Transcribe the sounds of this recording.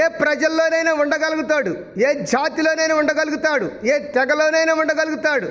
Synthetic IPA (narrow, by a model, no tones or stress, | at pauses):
eːpɾɐd͡ʒɐlːo̞ːnejneːuɳɖɐɡɐlɡut̪aːɽu | eːd͡ʒaːt̪ilo̞ːneːjneːuɳɖɐɡɐluɡut̪aːɽueːt̪ɛɡɐlo̞ːnejneːuɳɖɐɡɐluɡut̪aːɽu